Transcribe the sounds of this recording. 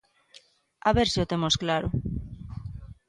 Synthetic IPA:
aβeɾsiot̪emosklaɾo̰

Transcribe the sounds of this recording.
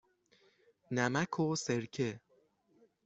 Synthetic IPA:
næmækʰoseɾkʰe

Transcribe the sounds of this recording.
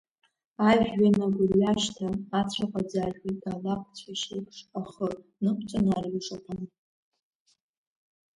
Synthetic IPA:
aɥᶣɥanaɡʷʊlaʃtʰaːt͡ɕʷʰaqʷʼad͡zaʒʲitʼalaq̚ʰʷʼt͡sʷʰaʃikʰʼʂaχə | nɨkʷʰʼt͡sʷʼanaraiʂʼapʰʼan

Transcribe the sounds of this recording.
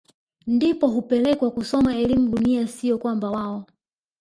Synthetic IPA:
ndipɔɦupɛlɛkwakusɔmaɛlimuɗuniasijɔkwambawaɔ

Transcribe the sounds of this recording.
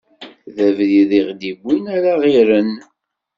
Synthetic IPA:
ðævðiðiʁd̪ibʷːinæɾaʁiɾən

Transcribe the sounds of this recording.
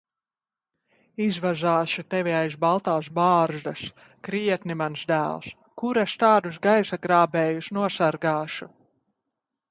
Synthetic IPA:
izvaʒaːʃut̪ɛviajzbalˠt̪aːs̬baːɾʒd̪as | kɾiɛt̪nimansd̪æ̰ːlˠs | kuɾast̪aːd̪usɡajsaɡɾaːbɛːjusnuɔsaɾɡaːʃu

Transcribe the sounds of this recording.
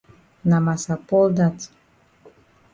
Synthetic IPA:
namasapolˠd̪at̪

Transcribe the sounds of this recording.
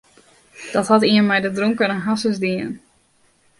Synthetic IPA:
d̥ɔthɔtiənmɛjdədroŋkənənɦasəsdiən

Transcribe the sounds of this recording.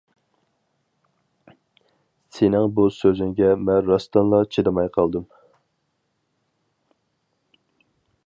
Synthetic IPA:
sɪnɪŋbusøzyŋɡʲɛmɛnɾɑst̪ɑnlˠɑt͡ʃʰid̪ɨmɑjqʰɑlˠd̪ɨm

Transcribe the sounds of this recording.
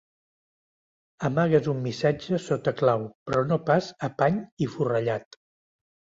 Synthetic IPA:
əmaɣ̞əzumːisad͡ʒəsot̪əklawpɾɔnopazəpaɲifurəʎat̪

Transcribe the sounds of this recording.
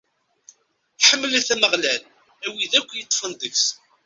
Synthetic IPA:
ħəmːəlæθæməʁlæl | æwiðækʷːjət̪ˤːfənd̪əks

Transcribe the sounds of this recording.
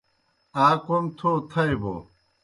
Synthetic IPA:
aːkomt̪ʰot̪ʰɐebo̰

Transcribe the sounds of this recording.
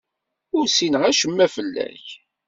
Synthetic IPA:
ʊɾsinəʁæʃəmːæfəlːæ̰ç

